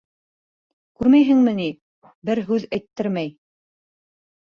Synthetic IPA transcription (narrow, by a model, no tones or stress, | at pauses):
kʉɾmæjɦɘŋmɘni | bɘɾɦʉðæjt̪ːɘɾmæj